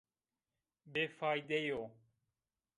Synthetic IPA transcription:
beːfaːid̪ejoː

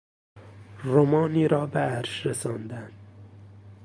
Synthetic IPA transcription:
ɾomɒːniːɾɒːbeæɾʃɾesɑːnd̪ænd̪

